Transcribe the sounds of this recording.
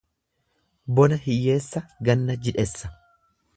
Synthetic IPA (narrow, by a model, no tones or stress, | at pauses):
bɔnɐhɪjːe̞ːsːɐɡɐnːɐd͡ʒɪᶑɛsːɐ̥